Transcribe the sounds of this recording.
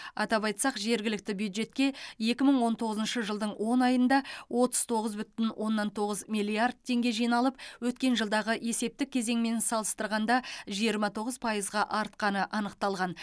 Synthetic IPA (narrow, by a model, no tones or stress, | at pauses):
ɑ̰t̪ɑpɑjt̪sɑqʒe̞ɾɡʲɪlɪk̚t̪ɪbjuwd̪ʒe̞t̪̚kʲe̞je̞kʲɪməɴwo̞nt̪ʰo̞ʁəzənʃəʒəlˠd̪əɴwʔo̞nɑjənd̪ɑwʔo̞t̪ə̥z̥t̪ʰo̞ʁəzbʏt̪ɪnwʔo̞nːɑnt̪ʰo̞ʁəzmijlʲˠiard̪̚t̪ʰːe̞ŋɡʲe̞ʒijnɑlˠəp̚wɵt̪̚kʲe̞nʒəlˠd̪ɑʁəʔe̞se̞p̚t̪ɪkʲʰːe̞ze̞ŋme̞nsɑlˠəst̪əɾʁɑnd̪ɑʒijəɾmɑt̪ʰo̞ʁəzpʰɑjəzʁɑʔɑɾt̪̚qɑnəʔɑnəq̚t̪ɑlˠʁɑn